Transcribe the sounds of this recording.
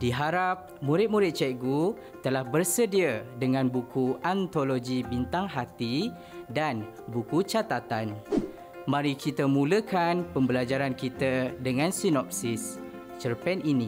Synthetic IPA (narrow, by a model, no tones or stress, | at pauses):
diɦaɾap̚mũɾɪt̪̚muɾɪt̪̚t͡ʃɛɡu | t̪əlahbərsədiədəŋãnbukuant̪oloɡibint̪aŋɦat̪i | dan | bukut͡ʃat̪at̪an | mãɾikʰit̪əmũləkanpəmbəlad͡ʒaɾankit̪ədəŋãnsinɔp̚sis | t͡ʃərpɛninĩ